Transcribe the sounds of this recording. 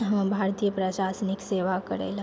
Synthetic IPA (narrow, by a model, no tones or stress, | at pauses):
ɦə̃mbʱaɾt̪ijəpɾəʃasnikseʋakəɾɛ̰l